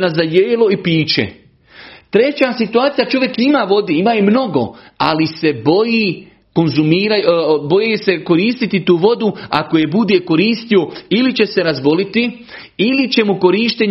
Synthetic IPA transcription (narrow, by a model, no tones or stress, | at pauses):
nazajeːlo̞ipiːt͡ʃḛ | t̪ɾe̞t͡ɕasit̪uaːt̪sijat͡ʃo̞ʋjekimaːʋo̞d̪iːimaːjemno̞ɡo̞̰ | a̰lise̞bo̞ji | ko̞nzumiːɾajbo̞jise̞ko̞ɾiːst̪it̪it̪uːʋo̞d̪ua̰kojebud̪jeko̞ɾiːst̪io̞ilit͡ɕe̞se̞ɾazbo̞lit̪i | ilit͡ɕe̞muko̞ɾiːʃt̪eɲ